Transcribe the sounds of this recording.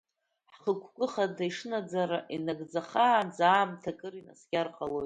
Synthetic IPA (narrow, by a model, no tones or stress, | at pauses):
ħχəkʷʰkʷʼʊχadajʂnad͡zaɾaʔinaɡd͡zaχaːnd͡zaːmtʰakʼɨɾina̰sɡʲarqʼalojt